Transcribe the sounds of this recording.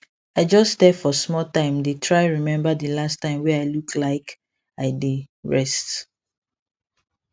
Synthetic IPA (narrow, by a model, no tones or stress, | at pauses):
aɪd͡ʒɔstɛfɔsmɔltãɪ̃mdetʰɹaɪɹimɛ̃mbadəlastːãɪ̃mwɛaɪlukʰlaɪk | aɪdeɹɛst